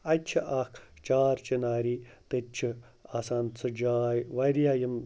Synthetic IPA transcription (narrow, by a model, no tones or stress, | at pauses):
ɐt͡ʃʰiʔɐkʰt͡ʃaːɾt͡ʃinaːɾiːt̪et͡ʃʰi | asaːnt͡sʰɨd͡ʒaːjʋɐɾijaːjim